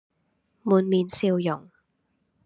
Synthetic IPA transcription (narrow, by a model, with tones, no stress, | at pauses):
muː˨˩nmiː˨nsiː˧wjʊ˨˩ŋ